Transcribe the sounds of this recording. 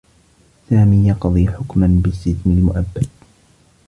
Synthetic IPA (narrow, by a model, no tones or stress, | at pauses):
saːmiːjɑqðˤiːħʊkmanbɪst̪ɪθnɪlmʊʔabːad̪̚